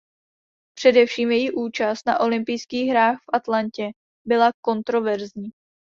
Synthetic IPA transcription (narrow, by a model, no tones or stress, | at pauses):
pr̥ɛdɛfʃiːmjɛjiʔuːt͡ʃast̪̚naʔo̞lɪmpɪjskiːɣɦɾaːxfʔat̪lancɛ | bɪlako̞nt̪ɾo̞vɛɾzɲiː